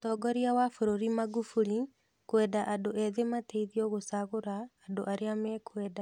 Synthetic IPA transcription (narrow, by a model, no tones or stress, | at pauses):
tɔɡɔɾiawafoɾoɾimaɣufuɾi | kwɛdaʔadoʔɛðemateiðiɔɣosaɣoɾaːdoʔaɾeamɛkʰwɛːda